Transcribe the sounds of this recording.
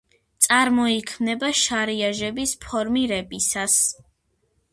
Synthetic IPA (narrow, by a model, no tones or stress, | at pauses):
t̪sʼaɾmɔikʰmnɛbaʃaɾiaʒɛbispʰɔɾmiɾɛbisas